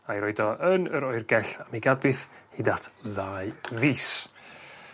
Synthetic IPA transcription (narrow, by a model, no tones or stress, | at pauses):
ajɾɔɨdɔʔənəɾɔɨrɡɛɬamiɡad̚bɨθhidatʰðaːɨviːs